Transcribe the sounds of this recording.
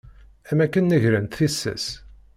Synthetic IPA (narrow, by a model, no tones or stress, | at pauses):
æmækːənːiʝɾənt̪θisːæ̰s